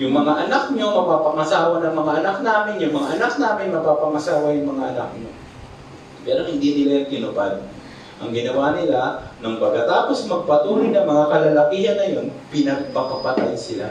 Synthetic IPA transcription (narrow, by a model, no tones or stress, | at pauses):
jʊŋmɐŋaʔɐnak̚ɲomɐpaːpɐŋɐsaːwanɐŋmɐŋaʔɐnak̚naːmɪnjʊŋmɐŋaʔɐnak̚naːmɪnmɐpaːpɐŋɐsaːwɐjʊŋmɐŋaʔɐnak̚ɲo | pɛːɾohɪnd̪inɪlajŋkɪnʊbad̪ | ʔɐ̰ŋɡɪnɐwanɪlanɐŋpɐɡkɐt̪aːpo̞smɐɡ̚pɐt̪uːɾɪnɐŋmɐŋakɐlɐlɐkiːɦɐnːɐjo̞npɪnɐɡ̚pɐpɐpɐt̪ajsɪla̰